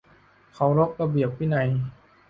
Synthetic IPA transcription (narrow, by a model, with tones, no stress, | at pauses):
kʰa˨˦wɾo˦˥k̚ɾa˧bi˨˩əp̚ːi˦˥˩na˧˦j